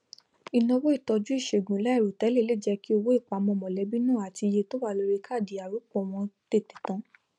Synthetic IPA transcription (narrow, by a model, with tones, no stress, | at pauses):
i˨˧nɔ̃˧wo˦i˦˨tɔ˧d͡ʒu˦i˦˨ʃe˨ɡũ˨la˦i˦˨ɾu˨tɛ˨˦le˦˨le˦˨d͡ʒɛ˧ki˦o˧wo˦i˦˨k͡pa˨˦mɔ̃˧˨mɔ̃˨lɛ˨˦bi˦nãː˦˨a˨ti˧je˧to˦wa˦˨lo˧ɾi˧kʰa˦˨di˨˦a˨ɾu˨˦k͡pɔ̃˦˨w̃ɔ̃˧te˦˨te̥˨tã˧˦